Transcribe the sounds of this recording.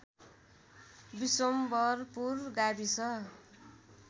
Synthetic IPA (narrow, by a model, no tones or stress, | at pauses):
bisombʌrpurɡabisʌ